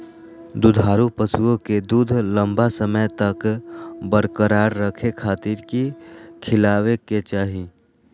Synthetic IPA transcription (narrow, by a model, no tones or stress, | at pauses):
d̪ʊd̪ʱaːɾupəsuõked̪uːd̪ʱlə̃mbasəməjt̪ɐkbəɾkəɾaːɾːəkʰekʰaːt̪ɪɾkikʰɪlaːʋeket͡ʃaːɦi